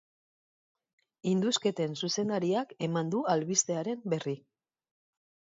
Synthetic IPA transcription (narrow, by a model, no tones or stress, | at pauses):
ind̪uske̞t̪e̞nsuse̞nd̪aɾiake̞mand̪ualβist̪e̞aɾe̞mbe̞ri